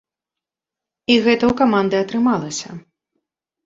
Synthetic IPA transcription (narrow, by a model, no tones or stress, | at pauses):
iɣɛt̪ɐwkamand̪ɨɐt̪ɾɨmalˠɐsʲɐ̰